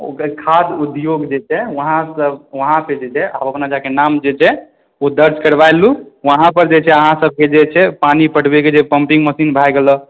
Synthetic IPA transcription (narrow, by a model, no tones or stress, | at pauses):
o̰kəkʰad͡ʒ̪ud̪joɡd͡ʒet͡ʃʰɛʋəɦãsəbʋəɦãped͡ʒet͡ʃʰɛʔa̰bəpnad͡ʒakenamd͡ʒet͡ʃʰɛ | od̪əɾd͡ʒkəɾbajluʋəɦãpəɾd͡ʒet͡ʃʰɛəɦãsəb̚ʱked͡ʒet͡ʃʰɛpanipəʈbeked͡ʒepəmpiŋɡməsinbʱajɡelə